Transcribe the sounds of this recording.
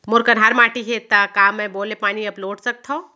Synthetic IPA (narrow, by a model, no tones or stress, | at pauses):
moɾkənɦaɾmaːʈiɦet̪əkamẽbolepaːniəploːʈsək̚t̪ʰɔ̃